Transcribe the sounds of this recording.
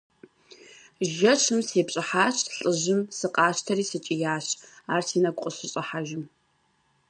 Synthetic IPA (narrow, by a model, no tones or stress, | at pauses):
ʒɐʂʰɨmseːpɕʼɪħaːɕɬʼɨʑɪmsɨqʼɑːɕtʰɐriːsɨt͡ʃʼijaːɕaːrsiːnɐkʷʼqʼʊɕɪɕʼɐħaʒɪm